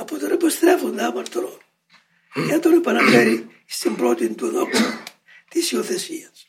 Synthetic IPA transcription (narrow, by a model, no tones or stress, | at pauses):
ɐpot̪onepist̪ɾe̞fond̪ɐmɐɾt̪ɾo | ceat̪onepɐnɐfeɾi | st̪imbɾo̞t̪ind̪uðoksu | t̪isioθesiɐs